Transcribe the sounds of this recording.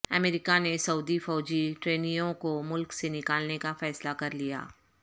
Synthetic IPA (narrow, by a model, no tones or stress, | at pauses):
ɐ̰meːɾɪkanesɐuːd̪ifɔːd͡ʒiʈɾeːnijõkomʊlksenɪkaːlnekafɛːslakɐɾlija̰ː